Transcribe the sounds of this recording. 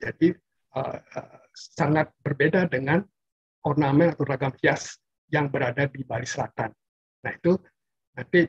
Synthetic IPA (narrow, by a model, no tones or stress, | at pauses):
d͡ʒadi | ə̰ə | saŋat̪̚bərbedadəŋan | ɔrnamɛnat̪awraɡamfias | jaŋbəɾadadibalisəla̰t̪anː | ahit̪u | nant̪i